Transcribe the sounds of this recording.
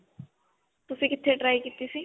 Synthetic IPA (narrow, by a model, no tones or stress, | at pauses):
t̪ʊsĩːkɪt̪ʰːeɖɾaːikiːt̪isiː